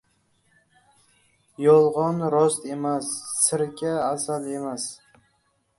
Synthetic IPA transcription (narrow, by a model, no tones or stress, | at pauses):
jɒlˠʁɒnɾɒst̪e̞masːɪɾɡʲaːsale̞mas